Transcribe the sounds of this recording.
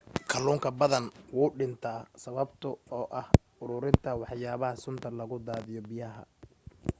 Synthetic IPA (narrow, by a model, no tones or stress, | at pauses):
kʰɐluːŋkʰɐbɐðɐnwuːɖɪnt̪ʰaːsɐβɐbt̪ʰʊɔːʔɐh | ʊɾʊɾɪnt̪ʰɐwɑħjaːβɐhɐsʊnt̪ʰɐlɐɣʊd̪aːðɪjɔbɪjɐɦɐ̰